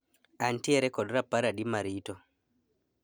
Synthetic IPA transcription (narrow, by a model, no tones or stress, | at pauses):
ʔantiɛɾɛkɔɗɾapːaɾaɗimaɾitɔ